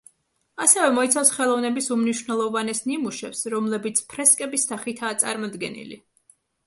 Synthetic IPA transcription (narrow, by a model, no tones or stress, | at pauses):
asɛvɛmɔit̪sʰafsχɛlˠɔvnɛbisumniʃwnɛlˠɔvanɛsnimuʃɛpsɾɔmlɛbit̪sʰpʰɾɛskʼɛbisːaχit̪ʰaːt̪sʼa̰ɾmɔd̪ɡɛ̰nḭlḭ